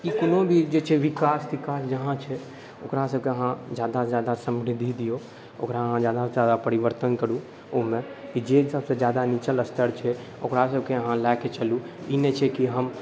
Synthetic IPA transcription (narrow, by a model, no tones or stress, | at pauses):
kikonobʱid͡ʒet͡ʃʰɛʋikasd̪ikasd͡ʒəɦãt͡ʃʰɛ | o̰kɾasəb̚keəɦãd͡ʒjad̪ad͡ʒjad̪asə̃mbɾid̪ʱid̪ijo | o̰kɾaɦãd͡ʒjad̪ad͡ʒjad̪apəɾiʋəɾt̪ənkəɾũ | omẽkid͡ʒesəbsẽd͡ʒjad̪anit͡ʃələst̪ʰəɾt͡ʃʰɛ | o̰kɾasəb̚ʱkeəɦãlɛket͡ʃəlu | inɛt͡ʃʰɛkiɦəm